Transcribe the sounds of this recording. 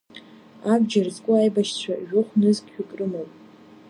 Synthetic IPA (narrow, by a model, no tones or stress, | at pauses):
abd͡ʒarzʼkʷʼʊajbaʃt͡ɕʷʰaʒᶣʊχʷnɨzkʲʼᶣikʼrɨmowpʼ